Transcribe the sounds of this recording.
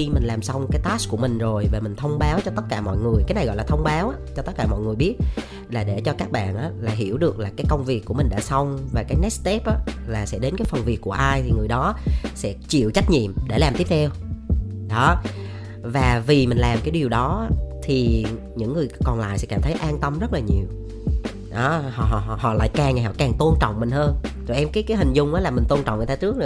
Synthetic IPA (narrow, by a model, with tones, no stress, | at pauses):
i˧mï̟˨˩laː˨˩msa˧wŋ͡mkaː˨˦jt̪aː˦˥sku˧˩əmï˨˩ŋ̟zo˨˩jvaː˨˩mï˨˩ŋ̟t̪ʰə˧wŋ͡mɓaː˨˦wt͡ɕɔ˧t̪ə˦˥t̚kaː˧˩mɔ̰˧˨jŋɨ˨˩əjkaː˨˦jna˨˩jɣɔ̰˧˨jlaː˨t̪ʰə˧wŋ͡mɓaː˨˦wʔaː˧˦t͡ɕɔ˧t̪ə˦˥kaː˧˩mɔ̰˧˨jŋɨ˨˩əjɓi˦˥ət̚ | laː˨˩ɗe˧˩t͡ɕɔ˧kaː˦˥k̚ɓa̰ː˧˨nʔaː˨˦laː˨˩ɦḭ˧˩əwɗɨ˨˩ək̚laː˨˩kaː˨˦jkə˧wŋ͡mvi˨˩əkːu˧˩əmi˨˩ŋ̟ɗa̰ː˧˥sa˧wŋ͡mvaː˨˩kaː˨˦jnɛ˦˥t̚st̪e˦˥p̚ʔaː˨˦laː˨˩sɛ̰˧˥ɗe˨˦nkaː˨˦jfə˨˩nvi˨˩kːu˧˩əʔaː˧jt̪ʰi˨˩ŋɨ˨˩əjɗɔ˨˦sɛ̰˧˥t͡ɕḭ˧˨əwt͡ɕa˦˥k̟̚ɲḭ˧˨əmɗe˧˩laː˨˩mt̪i˦˥ət̪ʰɛ˧w | ɗɔ˨˦ | vaː˨˩vi˨˩mï˨˩ŋ̟laː˨˩mkaː˨˦jɗi˨˩əwɗɔ˨˦t̪ʰi˨˩ | ɲɨ̰˧˥ŋːɨ˨˩əjkɔ˨˩nla̰ː˧˨jsɛ̰˧˥kaː˧˩mt̪ʰə˨˦jʔaː˧nt̪ə˧mzə˦˥t̚laː˨˩ɲi˨˩əw | ɗɔ˨˦hɔ̰˧˨ɦɔ̰˧˨˧hɔ̰˧˨la̰ː˧˨jkaː˨˩ŋa˨˩hɔ̰˧˨˩kaː˨˩ŋt̪o˧nt͡ɕɔ̰˧˨wŋ͡mmï˨˩ŋ̟həː˧nzo˨˩ʔɛ˧mkaː˨˦jkaː˨˦jhï˨˩ŋ̟zʊ˨˧˩ŋ͡mʔaː˨˦laː˨˩mï˨˩ŋ̟t̪o˧nt͡ɕɔ̰˧˨wŋ͡mɲʰː˨˩˧t͡ɕɨ˦˥ək̚nɨ˨